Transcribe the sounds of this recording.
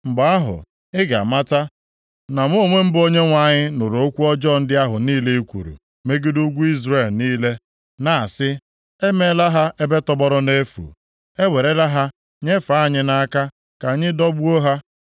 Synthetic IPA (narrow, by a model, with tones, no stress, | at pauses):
ŋ͡m̩˨ɡ͡ba˨a˦ɦʊ̰˨ | ɪ˦ɡa̰˨ma˦ta˦ | na˨m˦o˦˨ŋʷe˦m̩˦bo˦ɲe˦ŋʷa˨ɲɪ˦nʊ˨ɾo˨o˦kʷu˦ɔ˦d͡ʒɔ˦˨n̩˦dɪ˦a˦ɦʊ˨niː˦le˦i˦kʷṵ˨ɾṵ˨ | me˦ɡɪ˦du˦ɡʷu˦i˦zre˨lniː˦le˦ | na˨a˨sɪ˦ | e˦me˦la˦ɦa˦ʔe˦be˦tɔ˦bɔ˦ɾʊ˦ne˦fṵ˨ | e˦we˨ɾe˦la˦ɦa˦ | ɲe˦fa˦˨ɲɪ˦na˦ka˦ | ka˨˦ɲɪ˦dɔ˦bu˦o˦ɦa˦